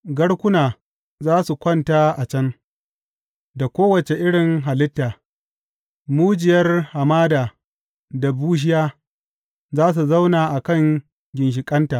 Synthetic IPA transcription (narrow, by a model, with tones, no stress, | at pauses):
ɡɐ˦ɽkʷʊ˦naː˨ | zaː˦su˨kʷɐ˦˨nta˦ʔa˨t͡ʃɐ˦ŋ | da˨kʷoː˦wɐ˨t͡ʃe˨ʔɪ˦ɽɪ˨ŋɦa˨lɪ˦tːaː˨ | muː˦d͡ʒɪ˨jɐ˦rha˨maː˦daː˨ | da˨buː˦ʃ̬ɪ˦jaː˦ | zaː˦s̬u˨za˦wnaː˨ʔa˨kɐ˦ŋ | ɡʲɪ˨nʃ̬ɪ˨kʼɐ˦ntaː˨